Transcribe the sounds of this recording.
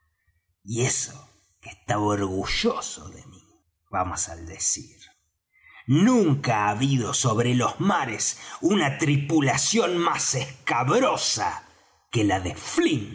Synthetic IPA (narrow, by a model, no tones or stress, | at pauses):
ieso | kest̪aβooɾɣuʒ̥oso̰ðḛmi | βamosald̪esiɾ | nũŋkaːβiðo̞so̞βɾelo̞zmaɾesunat̪ɾipulasjo̞nmasehkaβɾo̞sa̰ | kelaðeflin